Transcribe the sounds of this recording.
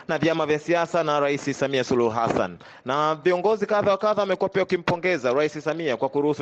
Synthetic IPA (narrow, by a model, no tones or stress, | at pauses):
navjamavjasiasanaɾaisisamiasuluhɦa̰sa̰nː | aviɔŋɡɔzikaðawakaðawamɛkuwapiaukim̩pɔŋɡɛzaɾaisisamiakwakuɾuhusu